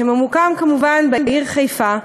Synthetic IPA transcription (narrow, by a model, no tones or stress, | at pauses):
hemamukamkamuvanbenbeiʁχejfa